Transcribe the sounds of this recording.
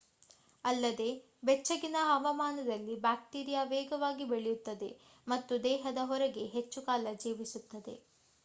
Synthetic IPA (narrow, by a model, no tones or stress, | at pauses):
ɐlːɐd̪e̞ | bɛt͡ʃːɐɡinɐɦɐʋɐmaːnɐd̪ɐlːibaːk̚ʈiːɾijaʋɛːɡɐʋaːɡibeɭejut̪ːɐd̪e̞̰ | mɐt̪ːud̪ɛːɦɐd̪ɐɦɔɾɛɡe̞ɦet͡ʃːukaːlɐd͡ʒiːʋisut̪ːɐd̪e̞̰